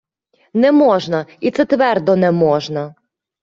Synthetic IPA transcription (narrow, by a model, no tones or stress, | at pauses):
nɛmɔʒnɐit̪sɛt̪ʋɛrd̪ɔnɛmɔʒnɐ